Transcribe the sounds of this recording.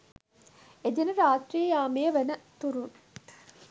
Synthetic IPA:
ed͡ʒenəɾaːt̪ɾiəjaːmejəʋænət̪uɾun

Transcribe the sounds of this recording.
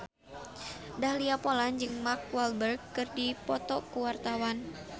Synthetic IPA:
dahliapoland͡ʒɨŋmark̚walbərɡːɨrdipɔt̪ɔkuwart̪awan

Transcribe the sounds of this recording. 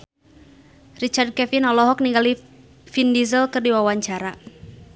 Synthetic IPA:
rit͡ʃard̚kɛfinɔlɔɦɔk̚niŋɡali | findizəlkɨrdiwawaɲt͡ʃaɾa

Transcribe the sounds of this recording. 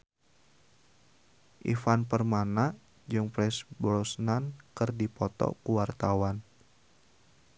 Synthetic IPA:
ʔḭfanpərmana | d͡ʒɨŋpɾɛsbɔlsnankɨrdipɔt̪ɔ̰kuwart̪awan

